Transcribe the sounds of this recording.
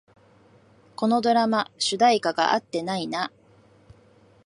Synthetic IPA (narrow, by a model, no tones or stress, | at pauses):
ko̞no̞d̪o̞ɾamaɕɨd̪aikaɡa̰ʔat̪ːe̞naina